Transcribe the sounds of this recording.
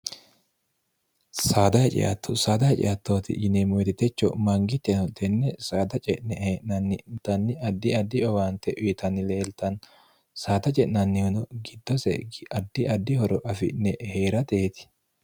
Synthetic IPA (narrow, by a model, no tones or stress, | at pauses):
saːd̪ɐhɛt͡ʃʼɪ̰ʔɐ̰t̪ːɔsaːd̪ɐhɛt͡ʃʼɪ̰jɐt̪ːoːt̪ɪ̰ʔɪnɛmɔjt̪ɪt̪ːɛt͡ʃːɔmɐŋɡɪt̪ːɛnɔt̪ɛnːɛsaːd̪ɐt͡ʃʼɛʔnɛhʔnɐnːɪt̪ɐnːɪʔɐd̪ːɪɐd̪ːɪɔwaːnt̪ɛʔʊjt̪ɐnːɪle̞ːlt̪ɐn | saːt̪ɐt͡ʃʼɛʔnɐnːɪhʊnɔɡɪd̪ːɔsɛ̰ɐd̪ːɪʔɐd̪ːɪhɔɾɔʔɐfɪ̰ʔnɛheːɾɐt̪eːt̪ɪ̥